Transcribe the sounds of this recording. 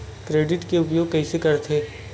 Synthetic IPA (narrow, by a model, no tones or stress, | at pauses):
kɾeːɖɪʈkeʊp̬joːɡ̚kɛɦisekɐɾt̪ʰeː